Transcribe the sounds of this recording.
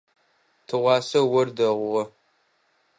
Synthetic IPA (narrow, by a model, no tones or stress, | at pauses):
tʰɨʁʷɑːsɐwɐrdɐʁʷʊʁɐ